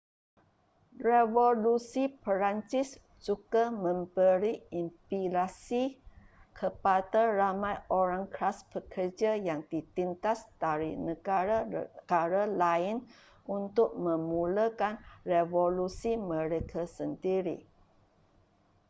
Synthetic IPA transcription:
revolusipəɾant͡ʃɪs | t͡ʃuɡamə̃mbəɾiimpilasi | kʰəpadaramãjʔoɾaŋkɾasbəkʰərd͡ʒajaŋdit̪int̪asd̥aɾḭnəɡaɾaɡ̥aɾalaɪn | ʔunt̪ʊk̚mə̃muləkanrevolusimə̃ɾekʰasəndiɾḭ

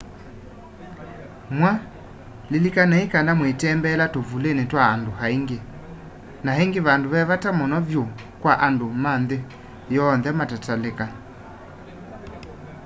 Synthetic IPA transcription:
mwa | lilikanaikandamwetɛmbɛlatovulenetwaːndohaiŋɡe | naɦeŋɡeβandoβɛβatamɔnɔvjo | kwaʔandomanðe | jɔnðɛmatataleka

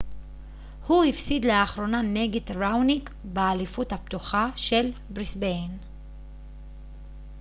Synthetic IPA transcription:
huhifsid̪leaχʁo̞naneɡetʁawnik | bealifuthap̚t̪uχaʃe̞lbʁisbejn

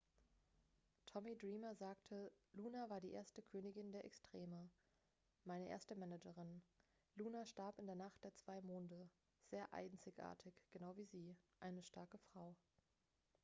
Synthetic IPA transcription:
tʰɔmidʁiːmɐzaːktʰəluːnavaːɐdiːʔḛːɐstəkʰøːnɪɡɪndeːɐʔɛ̰kstʁ̥eːmə | maɪnəʔḛɐstəmɛnɛd͡ʒəʁɪn | luːnaʃtaɐpɪndeːɐnaχt̚d̥eːɐt͡sv̥aɪmoːndə | z̥eːɐʔa̰ɪnt͡sɪçʔa̰ːɐtʰɪçɡ̥ənaʊviːziːʔaɪnəʃtaɐkəfʁ̥aʊ

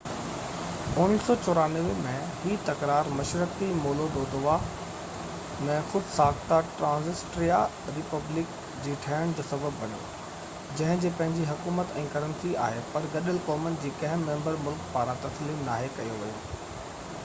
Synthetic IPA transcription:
ʊnɪsɔːt͡ɕɔːɾaːnəʋɪmẽ | ɦiːt̪ɐkɾaːɾmɐʃɾək̪imoːlod̪oːd̪ʊʋa | mɛ̃ːxʊd̪ʱsaːkt̪aʈɾãːzɪsʈɾia | ɾɪpɐblɪk | d͡ʑiːʈʰɐəɽ̃d͡ʑoːsɐbəbːɐn̤jo̰ː | d͡ʑɐ̃ɦɪ̃d͡ʑeːpɐ̃ɦɪ̃ɲd͡ʑiɦʊkuːmət̪ɛ̃ːkɐɾə̃nsia̰ːɦepɐɾɡɐɗəlkɔːmənɪ̆d͡ʑiːkɐ̃ɦɪ̃ːẽːmbəɾmʊlkpaːɾãt̪ɐsliːmnaːɦekɐjoʋɐjo̰ː

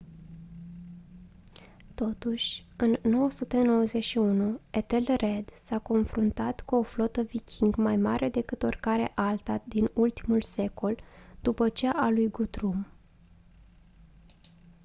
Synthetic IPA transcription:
t̪o̞t̪uʃʲɨnːo̞wəsut̪e̞no̞wəze̞ʃiunuet̪e̞lre̞d̪sako̞nfɾunt̪at̪kuo̞flo̞t̪əvikʲʰiŋɡmajmaɾʔe̞d̪e̞kɨt̪o̞̰rkaɾḛʔalt̪ad̪inult̪imulse̞ko̞ld̪̥upət͡ʃeʔalujɡut̪ɾum

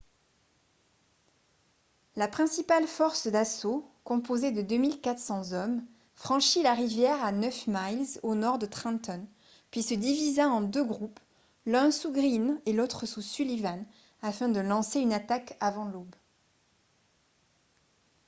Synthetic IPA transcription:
lapχɛ̃sipalfɔʁsd̪asokɔ̃pozed̪əd̪ømilkat̪χsɑ̃zɔm | fχɑ̃ʃilaʁivjɛʁanœfmajlzonɔʁd̪ət̪χɛ̃t̪ɔn | pɥisəd̪ivizaɑ̃d̪øɡʁup | lɛ̃suɡʁinelot̪χəsusylivan | afɛ̃d̪əlɑ̃seynat̪akavɑ̃lob

